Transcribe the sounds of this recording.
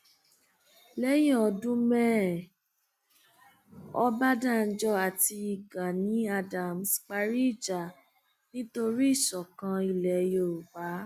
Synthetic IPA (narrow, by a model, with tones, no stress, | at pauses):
lɛ˦jɛ̃˦˨ɔ˧dũ˦mɛ˦ | ɔ˧ba˦da˦˨n̩˦d͡ʒɔ˧a˨ti˧i˨ɡa˨nĩ˨˦a˧da˨msk͡pa˧ɾi˦i˦˨d͡ʒa˨ | nĩ˦to˧ɾi˦i˦˨ʃɔ˨kã˧i˧˨lɛ˨˧jo˨˧˨ɾu˨ba˨˦